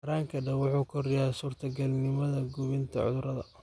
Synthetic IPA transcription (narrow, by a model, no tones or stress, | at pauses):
ɐɾaːŋkʰɐɖɐwʊħuːkʰɔrjasuːrt̪ʰɐɡɐlnɪmɐðɐɡuβɪnt̪ʰɐ̰ʕʊ̰ðʊɾɐðɐ̰